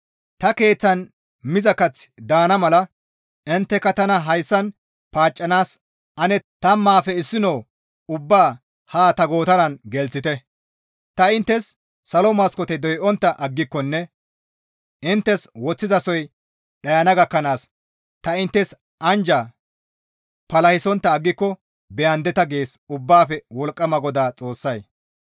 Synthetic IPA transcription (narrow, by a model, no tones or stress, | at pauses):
t̪ɐke̞ːt͡sːɐn | mɪzɐkɐt͡sːd̪aːnɐmɐlɐ | ɪnt̪ːɛkːɐt̪ɐnɐɦɐjsːɐn | paːt͡ʃʼːɐnaːs | ɐnɛt̪ɐmaːfɛɪsːɪnoː | ʊbːaː | haːt̪ɐɡo̞ːt̪ɐnɐnɡɛlt͡sːɪt̪ɛ | t̪ɐɪnt̪ːɛsː | ɐlɔmɐskɔt̪ɛd̪ɔjʔɔnt̪ːɐʔɐɡːɪkːɔnːɛ | ʔɪnt̪ːɛswɔt͡sːɪzɐsɔj | ɗɐjɐnɐɡɐkːɐnaːs | t̪ɐɪnt̪ːɛs | ʔɐnd͡ʒɐ | pɐlɐhɪsɔnt̪ːɐːɡːɪkːɔ | bɛjɐnd̪ɛt̪ɐɡe̞ːsʊbːaːfɛwɔlkʼːɐmɐɡɔd̪aːt͡sʼo̞ːsːɐj